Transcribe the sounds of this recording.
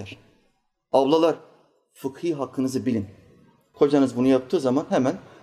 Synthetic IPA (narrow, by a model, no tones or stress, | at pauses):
æɾ̥ | ablˠalˠaɾ | fɯkhɯɦakʰːɯnɯzɯbilʲin | kʰo̞d͡ʒanɯzbunujap̚t̪ʰɯːzamanɦemæn